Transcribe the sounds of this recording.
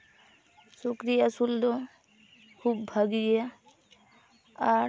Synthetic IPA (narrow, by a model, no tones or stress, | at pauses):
sukɾijasuld̪ɔ | kʰubbʱaɡɡja | a